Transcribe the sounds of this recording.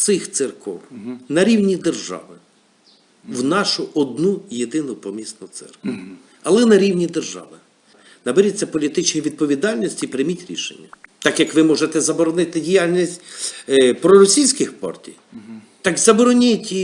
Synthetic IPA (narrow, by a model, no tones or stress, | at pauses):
sɪxt̪sɪrkɔ̰wnɐɾʲiwnʲid̪erʒɑ̰ʋɪ | wnɑʃʊʔɔd̪nujed̪ɪnʊpɔmʲisnʊt̪sɛ̰rk | ɐlˠɛnɐɾʲiwnʲid̪erʒɑ̰ʋɪ | nɐbeɾʲit͡sʲːɐpɔlʲit̪ɪt͡ʃnʋʲid̪̚pɔʋʲid̪ɑlʲnʲɔsʲtʲipɾɪmʲitʲɾʲḭʃḛnʲːɐt̪ɑkjɐkʋɪmɔʒet̪ɛzɐbɔɾɔnɪt̪ɪdʲijɑlʲnʲisʲtʲ | pɾɔɾɔsʲijsʲkɪxpɑ̰rtʲij | t̪ɑkzɐbɔɾɔnʲɪtʲ